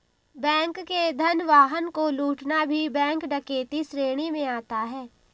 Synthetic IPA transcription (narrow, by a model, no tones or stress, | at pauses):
bɛ̃ːŋkːed̪ʱənʋaːɦənkoluːʈnabʱibɛ̃ːŋkɖɐkeːt̪isɾeːɽ̃imẽaːt̪aɦɛː